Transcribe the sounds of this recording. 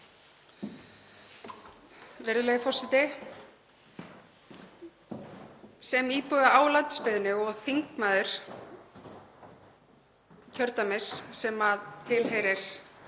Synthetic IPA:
vɪɾðʏlejɪfɔrsɪt̪ɪ | sɛmiːpʏðaaːwlant̪spɪðnʏɔɣθiŋkmaːðʏɾ̥ | cʰœɾt̪amɪsːɛmaðt̪ʰɪlɦejɾɪɾ̥

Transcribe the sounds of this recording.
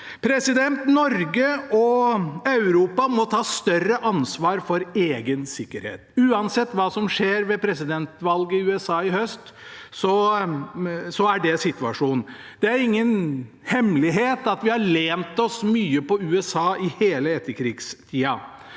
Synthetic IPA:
pʰɾɛsɪd̪ɛnt̪nɔɾɡəɔɑʉɾuːpɑmɔt̪ʰɑːst̪œrəʔɑnsʋɑːɾfɔɾeːɡənsɪkːəɾhḛːt̪ʉːɑnsɛt̪ːʋɑːsɔmʂeːɾʋɛpʰɾɛsɪd̪ɛnt̪ʋɑlɡəɪʉːɛsɑːɪhœst̪sɔ | sɔæɖɛsɪt̪ʉɑʂuːn | d̪̥ɛæɾɪŋːən | hɛmlɪɦeːt̪ɑt̪ʋɪhɑɭeːnt̪ɔsmyːəpɔʉːɛsɑːɪheːləɛt̪ʰːəɾkʰɾɪːɡst̪ʰiːɑ

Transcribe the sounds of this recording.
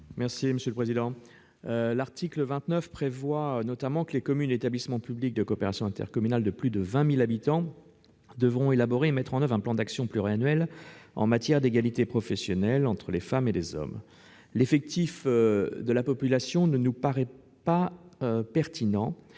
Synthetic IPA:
mɛʁsiməsjøləpχezid̪ɑ̃ | laʁt̪ikləvɛ̃t̪nœfpχevwanɔt̪amɑ̃kəlekɔmyneet̪ablismɑ̃pyblik̚d̪əkoːpeʁasjɔ̃ɛ̃t̪ɛ̰ʁkɔmynald̪əplyd̪əvɛ̃milabit̪ɑ̃ | d̪əvʁɔ̃elabɔʁeːmɛt̪χɑ̃nœvʁɛ̃plɑ̃d̪aksjɔ̃plyʁianɥɛlɑ̰̃mat̪jɛʁd̪eɡalit̪epχɔfɛsjɔnɛlɑ̃t̪χəlefamelezɔ̰m | lefɛk̚t̪ifd̪əlapɔpylasjɔ̃nənupaʁɛ | paøpɛʁt̪inɑ̃

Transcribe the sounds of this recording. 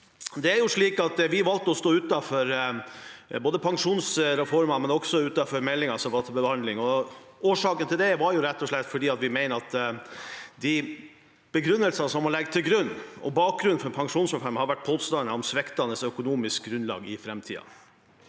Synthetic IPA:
d̪ɛæɾjʊʂɭiːkɑt̪ʋɪʋɑlt̪əɔst̪oːʉt̪ɑfɔɾ | boːd̪əpʰɑŋʂuːnsɾɛfɔɾmɑmɛnɔksɔʉt̪ɑfɔɾmɛlːɪŋɑsɔʋɑt̪ʰbəbhɑnd̪lɪŋɔoːʂɑːkənt̪ʰɪld̪ɛʋɑɾjʊɾɛt̪ːɔʂɭɛt̪ːfɔɖiːɑt̪ʋɪmæɪnəɑt̪ | d̪ɪ | b̥əɡɾʉnːəlsɑsɔmɑɭɛɡːt̪ʰɪlɡɾʉnːɔ̰bɑːk̚ɡɾʉnfɔɾpʰɑŋʂuːnsɾɛfɔɾmɑhɑɾʋæʈ̚pʰoːst̪ɑnəɔmsʋɛkt̪ɑnːəsœkʊnuːmɪsk̚ɡɾʉnlɑ̰ːɡɪfɾɛmt̪ʰḭːɑ̰

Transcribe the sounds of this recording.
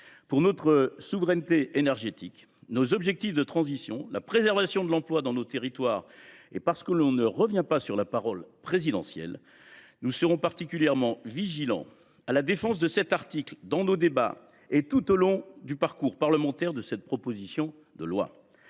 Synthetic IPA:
puʁnɔt̪χəsuvʁɛnt̪eʔenɛʁʒet̪ik | nozɔbʒɛk̚t̪ifd̪ət̪χɑ̃zisjɔ̰̃lapχezɛʁvasjɔ̃d̪əlɑ̃plwad̪ɑ̃not̪eʁit̪waːʁḛpaʁsə̥kəlɔ̃nəʁəvjɛ̃pasyʁlapaʁɔlpχezid̪ɑ̰̃sjɛ̰l | nusəʁɔ̃paʁt̪ikʲyljɛʁmɑ̃viʒilɑ̰̃ | alad̪efɑ̃s̬d̪əsɛt̪aʁt̪ikld̪ɑ̃nod̪eba̰ | et̪ut̪olɔ̃d̪ypaʁkuʁpaʁləmɑ̃t̪ɛʁd̪əsɛt̪̚pχɔpozisjɔ̃ | d̪əlwa̰

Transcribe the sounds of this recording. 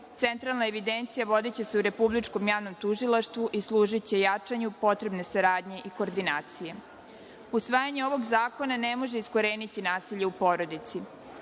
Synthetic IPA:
t̪ent̪ɾalnaeʋid̪ent̪sijaʋo̞d̪et͡ɕe̞seuɾe̞publit͡ʂko̞mjaːʋno̞mt̪uʒilˠaʃt̪ʋuʔislˠuːʒit͡ɕe̞jat͡ʂaɲupo̞t̪ɾe̞bne̞saɾaːd̪ɲe̞ʔiko̞ːɾd̪inaːt̪sije̞ | usʋaːjaɲeo̞ʋo̞ɡzaːko̞nanemo̞ʒeisko̞ɾeːnit̪inaːsiʎe̞upo̞ɾo̞d̪it̪si

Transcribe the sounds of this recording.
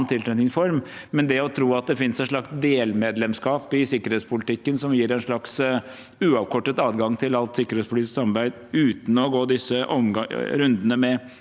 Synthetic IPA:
nt̪ʰɪlt̪ɾɛnɪŋsfɔɾm | mɛnd̪ɛɔt̪ʰɾuːɑt̪̚d̪ɛfɪnsɛnʂlɭɑksd̪eːlmeːd̪lɛmskɑːpɪsɪkːəɾheːt̪spʊlɪt̪ʰɪkːənsɔmjiːɾæɛnʂɭɑks | ʉːɑːʋkʰɔʈːət̪ɑːd̪ɡɑŋt̪ʰɪlɑlt̪sɪkːəɾeːtspʊit̪ɪsksɑmɑɾbæɪd̪ʉːt̪n̩ɔɡoːd̪ɪsəʔɔmɾʉnd̪ənəmɛ

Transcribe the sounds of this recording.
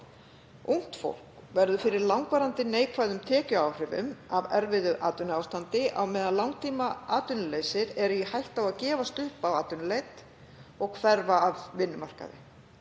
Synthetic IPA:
uŋ̥t̪fo̰wl̥kvɛɾðʏfɪɾɪɾlawŋkvaːɾant̪ɪneːjkʰvaːjðʏmt̪ʰɛːcʏaːwr̥ɪvʏ̰mavɛɾvɪðʏʔaːt̪ʏnʏawst̪ant̪ɪʔa̰wmɛːðalawŋt̪ʰiːmaaːt̪ʏnʏleːjsɪɾɛɾʏjihajht̪awaðcɛːvast̪ʏhpawaːt̪ʏnʏlejt̪ | ɔɣkʰvɛɾvaːvːɪnːʏmar̥ka̰ðɪ̰

